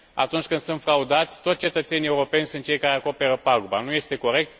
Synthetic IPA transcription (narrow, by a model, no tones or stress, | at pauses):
a̰t̪unt͡ʃʲkɨnd̪sɨnt̪fɾaud̪at̪sʲt̪osʲt͡ʃe̞t̪ət̪se̞nie̞uɾo̞pe̞nʲsɨnt̪̚t͡ʃejkaɾeako̞pe̞ɾəpaɡubanuje̞st̪e̞ko̞ɾe̞k̚t̪